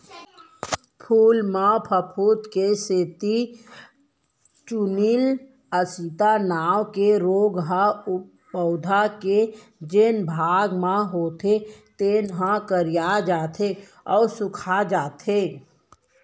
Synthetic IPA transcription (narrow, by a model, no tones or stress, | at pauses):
pʰuːlmãpʰəpʰut̪keseːt̪i | t͡ʃunil | əsit̪anaːwkeɾoːɡɦãʊ | bəʊd̪ʱake | d͡ʒenbʱaːɡmãɦoːt̪ʰet̪eːnɦãkəɾijad͡ʒaːt̪ʰe | ɔːɾsʊkʰad͡ʒaːt̪ʰe